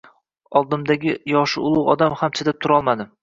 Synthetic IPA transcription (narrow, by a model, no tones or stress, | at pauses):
ɒlˠd̪ɪmd̪aɡʲɪjɒʃɪʊlˠʊʁɒ̰d̪amhamt͡ʃʰɪd̪ɪp̚t̪ʰʊɾɒlˠmad̪ɪ